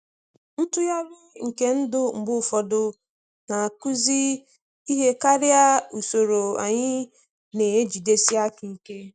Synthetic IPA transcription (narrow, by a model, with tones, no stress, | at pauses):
n̩˦tʊ˦ja˦ɾɪ˦ŋ̩˨ke˦n̩˦dʊ˦ŋ͡m̩˨ɡ͡bʊ˦˨fɔ˨dʊ˦ | na˨a˨ku˦zi˦ | i˦ɦe˦ka˦ɾɪ˦a˦u˨so˨ɾo˨a̰˨ɲɪ˦ | ne˨e˦d͡ʒi˨de˦si˦a˦ki˨ke˦